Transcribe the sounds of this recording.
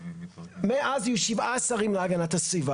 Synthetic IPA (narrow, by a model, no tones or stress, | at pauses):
meʔazijuʃivaasaʁimleaɡanat̪asviva